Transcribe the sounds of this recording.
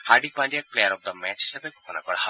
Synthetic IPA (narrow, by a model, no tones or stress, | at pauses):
haɾɖik̚paɳɖijak̚plejaɾɔb̚d̪ɔmɛt͡ʃɦiʃabekokʰona̰kɔɾaɦɔe